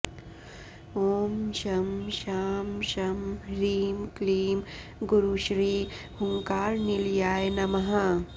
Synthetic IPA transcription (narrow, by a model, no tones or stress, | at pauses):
oːmʃɐmʃaːmʃɐmɾiːmkliːm | ɡuɾuʃɾiː | huŋkaːɾniljaːjnɐmɐɦa